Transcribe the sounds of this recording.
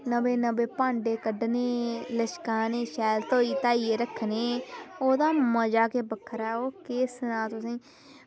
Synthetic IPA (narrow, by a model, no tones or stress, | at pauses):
nəbeːnəbeːpãːɳɖeːkəɖneːləʃkaːneːʃɛːlt̪oːiːt̪aːiːeːɾəkʰːneːoːd̪aːməd͡ʒaːkeːbəkʰːəɾɛːoːkeːsənãːt̪ʊsĩː